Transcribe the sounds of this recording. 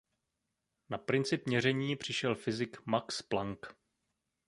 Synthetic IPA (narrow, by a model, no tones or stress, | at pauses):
napɾɪnt͡sɪpɲɛrɛɲiːpr̝̥ɪʃɛlfɪzɪkmaksplaŋk